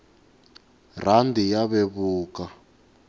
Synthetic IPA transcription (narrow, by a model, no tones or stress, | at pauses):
r̤andʱijaβɛβuːka